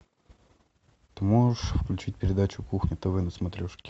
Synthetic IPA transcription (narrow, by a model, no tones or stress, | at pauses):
t̪ɨmoʐɨʂfklʲʉt͡ɕit̚ʲpʲɪɾʲɪd̪at͡ɕʊkuxnʲɪt̪ɨvɨnəsmɐt̪ɾʲoʂkʲɪ̥